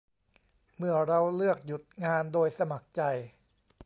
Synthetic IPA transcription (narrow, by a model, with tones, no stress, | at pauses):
mɯ˥˩ɐɾa˧wlɯ˥˩ək̚ju˨˩t̪̚ŋaː˧ndoː˧jsa˧ma˨˩k̚t͡ɕa˧j